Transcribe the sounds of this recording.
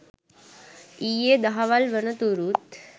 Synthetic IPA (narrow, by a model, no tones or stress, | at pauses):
ijed̪aɦaʋalʋəɳət̪uɾuːt̪